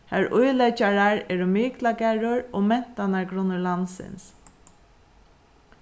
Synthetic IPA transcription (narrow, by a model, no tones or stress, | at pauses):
hæɹʔʊjlɛt͡ʃaɹaɹɛːɹʊmiːklakɛɹʊɹoːmɛn̥t̪anaɹɡɾʊnʊlansɪ̰ns